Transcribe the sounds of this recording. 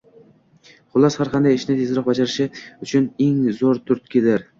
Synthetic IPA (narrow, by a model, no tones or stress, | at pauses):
χʊlˠɒshaɾqʰɑnd̪ajɪʃnɪt̪ʰe̞zɪɾɒq̚bad͡ʒaɾɪʃɪʊt͡ʃʰʊneŋzoɾt̪ʰʊɾt̪̚kʲʰed̪ɪɾ